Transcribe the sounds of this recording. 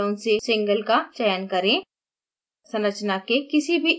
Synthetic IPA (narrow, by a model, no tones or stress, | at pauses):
õsesɪ̃ŋɡəlkat͡ʃɛːjnkɐɾẽ | sɐ̃nɾət͡ʃnakekɪsibʱi